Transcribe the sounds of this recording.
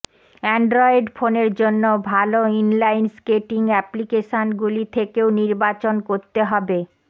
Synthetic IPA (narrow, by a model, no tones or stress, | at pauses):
ɛɳɖɾɔeɖfoneɾd͡ʑonːobʱaloinlajnskeʈiŋɛplikeʃonɡulit̪ʰekeoniɾbat͡ɕonkoɾt̪eɦɔbe